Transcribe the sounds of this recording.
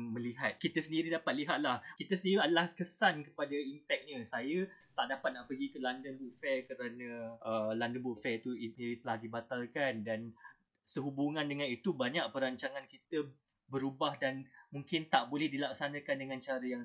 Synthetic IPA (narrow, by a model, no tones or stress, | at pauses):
mə̃liɦat̪̚kit̪əsəndiɾidapat̪̚liɦat̪̚lahkit̪əsəndiɾiadəlahkəsankəpadaimpɛk̚ɲəsajət̪aʔdapat̪̚naʔpəɡikəlandənbuʔfɛkəɾanə̃ʔəlandənbuʔfɛt̪uiiɾit̪əlahdibat̪alkandan | səɦubuŋandəŋanit̪ubaɲaʔpəɾaɲt͡ʃaŋankit̪ə | bəɾubahdanmuŋkɪnt̪aʔbolɛhdilaksanãkandəŋãnt͡ʃaɾəjaŋ